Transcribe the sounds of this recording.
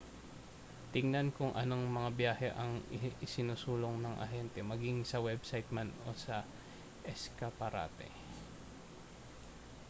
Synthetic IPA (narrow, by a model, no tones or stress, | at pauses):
t̪ɪŋnɐnkʊŋʔɐno̞ŋmɐŋabjaːhɛʔɐŋɪɪsɪnusuːloŋnɐŋʔɐ̰ɦɛnt̪ɛmɐɡiŋsɐwɛbsajt̪̚mano̞̰sɐ | ʔɛskɐpɐɾa̰ːt̪ɛ̰